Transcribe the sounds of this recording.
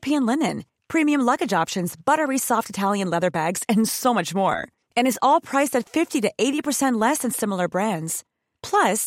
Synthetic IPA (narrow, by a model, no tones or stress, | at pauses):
pʰæ̃nlɪ̃nɨ̃n | pʰɹ̥ĩmiɨ̃mlʌɡɨd͡ʒɑpʃɨ̃nzbʌɾə˞isɔftɨtʰælˠjɨ̃nlɛðə˞bæɡz̥ɨ̃nsoʊmʌt͡ʃmɔ̰ɹ | ɨ̃ñɨzɔlˠpʰɹ̥aɪstɨtfɪftiɾɨʔeɪɾipə˞sɛ̃nʔlɛsɨ̃nsɪ̃ml̩ˠə˞bɹæ̃ndz̥ | pʰl̥ʌs